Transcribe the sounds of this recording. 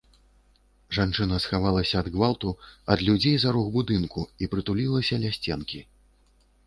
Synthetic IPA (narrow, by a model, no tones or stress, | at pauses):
ʐant͡ʂɨnɐsxavalˠɐsʲɐːd̪ɣvalˠt̪uɐd̪lʲud͡zʲejzaɾuɣbud̪ɨnkuipɾɨt̪ulʲilˠɐsʲɐlʲasʲt͡sʲɛnkʲi